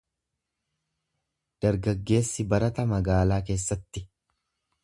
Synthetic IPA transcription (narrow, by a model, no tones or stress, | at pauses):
d̪̥ɐɾɡɐɡːe̞ːsːɪbɐɾɐt̪ɐmɐɡaːlaːk̬e̞ːsːɐt̪ːɪ